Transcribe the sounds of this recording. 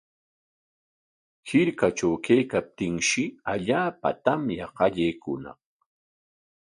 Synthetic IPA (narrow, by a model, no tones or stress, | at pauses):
hɪɾkaʈ͡ʂawkejkap̚t̪ɪŋʃɪaʎaːpa̰t̪amjɑqɑʎejkʊnɑ̰χ